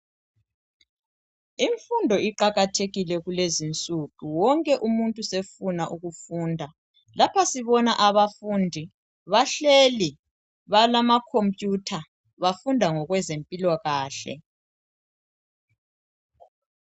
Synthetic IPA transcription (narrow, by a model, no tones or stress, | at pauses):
iɱfundʱɔiǃaɣatʰeɣilɛɣulezint͡sʼukʰʼuwɔŋkʼɛʔumuntʼusefunaʔuɣufuːndʱa | lapʰasiβɔnaʔaβafundʱi | βaɬeli | βalamakʰompʼjutʰa | βafundʱaŋɔɣwɛzempʼilwɔɣaːɬɛ̰